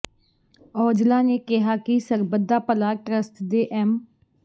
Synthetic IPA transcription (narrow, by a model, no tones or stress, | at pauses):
ɔːd͡ʒlãːneːkɪɦaːkɪsəɾbəd̪aːpəlaːʈɾəst̪d̪eːʔɛːm